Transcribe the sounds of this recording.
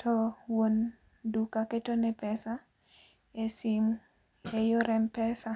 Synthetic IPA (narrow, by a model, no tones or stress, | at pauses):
tʰɔwon | dukaketonɛpɛsa | esim | ejoɾɛmpɛsa